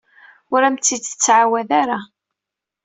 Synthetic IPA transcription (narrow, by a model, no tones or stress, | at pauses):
ʊɾæmt͡s̪ːid̪ə̥t͡sːʕawæðaɾa